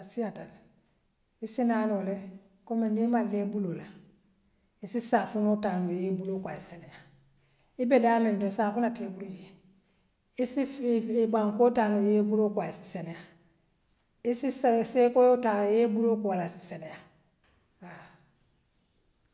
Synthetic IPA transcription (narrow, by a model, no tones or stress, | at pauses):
sijatal | isinanole | komenimalːebulola | isisaːsunotanojebulokwaiseneja | ibedamendosakunatiebuɾuje | isiibaŋkotanojebuɾokwaisi̥seneja | isisesekojotaljebulokoalasi̥seneja | a